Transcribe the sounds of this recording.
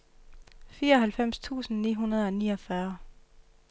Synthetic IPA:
fiːɐɒ̽hælfem̰st͡sʰṵːsn̩nḭːɦunɐð̞ˠɒ̽niːɒfɶɐ

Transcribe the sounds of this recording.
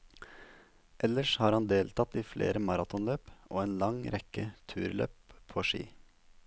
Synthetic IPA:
ʔɛləʂhɑːɾhɑnd̪eːlt̪ʰɑt̪iːflḛːɾəmɑɾɑt̪ɔnløːpʔoːeːnlɑŋɾɛkət̪ʰʉ̰ːɾlø̰ːppʰːoːʂḭː

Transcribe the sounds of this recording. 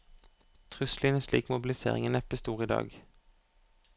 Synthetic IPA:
t̪ʰʁʏsliːnæʃliːkmʊbɪlɪsḛːʁɪ̰ŋəːnɛpəst̪uːʁiːd̪ɑ̰ːɡ

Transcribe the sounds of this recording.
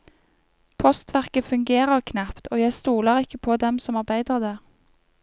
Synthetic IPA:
pʰɔst̪ʋæʁkəfʉŋɡeːʁəʁkʰnæpt̪oːjæɪst̪uːləʁɪkːəpʰoːd̪ɛmsɔmɑʁbæɪd̪əʁd̪eː

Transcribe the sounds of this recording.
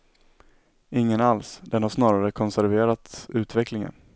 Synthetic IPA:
ɪŋːənalsd̪ɛnhaʂnɑːɾaɾəkʰɔnsæɾveːɾat̪sʉ̟ːt̪vɛklɪŋə̰n

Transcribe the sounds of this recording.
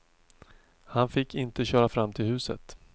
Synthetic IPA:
hanfɪkːɪnt̪əɕœːɾafɾamːt̪ʰɪlhʉ̟ːsə̰t̪

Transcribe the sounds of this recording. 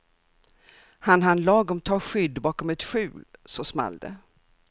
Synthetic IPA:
hanɦanlɑːɡɔmt̪ʰɑːɧʏd̪ːbɑːkɔmɛt̪ɧʉ̟ːlsɑːsma̰ld̪ə̰

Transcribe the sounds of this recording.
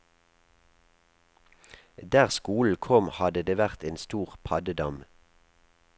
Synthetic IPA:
d̪æːʁskuːln̩kʰɔmhɑd̪əd̪eːʋæʁt̪eːnst̪uːʁpʰɑd̪əd̪ɑm

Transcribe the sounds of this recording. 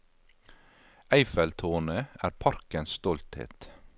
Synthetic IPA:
æɪfɛlt̪ʰoːnəæːɾpʰɑɾkənsst̪ɔlt̪hḛːt̪

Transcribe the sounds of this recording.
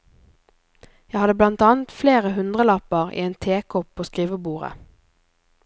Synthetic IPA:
jæhɑd̪əblɑnt̪ɑːnt̪fleːʁəhʉnd̪ʁəlɑpəʁḭːeːnt̪ʰeːkʰɔpʰoːskʁiːʋəbuːʁə̰

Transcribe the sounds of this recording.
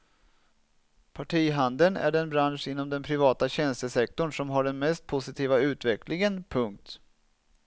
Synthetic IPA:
pʰaʈʰiːɦand̪ənæ̰ɖɛnbɾanʂɪn̪ːɔmd̪ɛnpʰɾɪvɑːt̪aɕɛnst̪əsɛk̚t̪ɔɳʂɔmɦaɖɛnmɛst̪̚pʰʊsɪt̪ʰiːvaʉ̟ːt̪vɛkʰlɪŋənpʰɵŋk̚t̪

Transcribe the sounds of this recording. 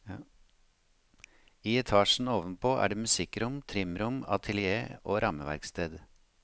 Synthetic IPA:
iːɛt̪ʰɑːʃn̩oːʋənpʰoːʔæ̰ːɖeːmʉsɪkɾʊmt̪ʰɾɪmɾʊmɑt̪ʰəlɪeːoːɾʔɑməʋæ̰ɾkst̪ʰeːd̪

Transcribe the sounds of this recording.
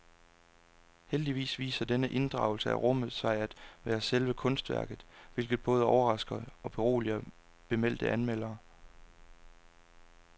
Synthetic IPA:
held̥iʋḭːsʋḭːsɐd̥enəʔe̝nd̥ʁɑ̈ʊl̩səæʁɔ̽mðˠsʋɑ̈ɪ̰æd̥ʋæːɐselʋəkʰɔ̽nsd̥ʋæɐɡ̥ð̞̩ˠʋe̝lɡ̥ð̩ˠb̥ɔ̽ːð̞ˠəɒʊɐʁɑ̈sɡ̥ɐɒ̽b̥e̝ʁo̝̰ːliɐ | b̥e̝mel̰d̥əʔænmel̰ɐː

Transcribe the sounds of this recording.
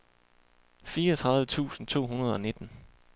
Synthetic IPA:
fiːɐɒt͡sʰʁɑ̈ðˠʋət͡sʰṵːsn̩t͡sʰo̝̰ːɦunɐð̞ˠɒ̽ne̝d̥n̩

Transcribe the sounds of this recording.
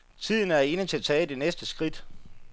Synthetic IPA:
t͡sʰið̰ˠn̩æɐe̝nət͡sʰe̝læt͡sʰɛ̰ːd̥e̝nesd̥əsɡ̥ʁid̥

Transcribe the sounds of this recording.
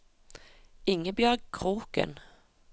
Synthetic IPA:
ɪŋːəbjœɡ̚kʰʁuːkə̰n

